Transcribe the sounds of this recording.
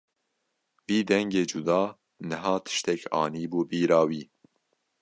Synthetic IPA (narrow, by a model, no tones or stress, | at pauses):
viːd̪ɛŋɡeːd͡ʒud̪ɑː | nɛɦɑːt̪ʰɨ̥ʃt̪ɛkʰɑ̰ːniːbuːbiːɾɑːwiː